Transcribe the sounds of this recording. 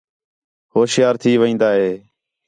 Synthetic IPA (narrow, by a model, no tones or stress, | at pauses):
hoːsjaːɾt̪ʰiːʋəĩːnd̪aːɦeː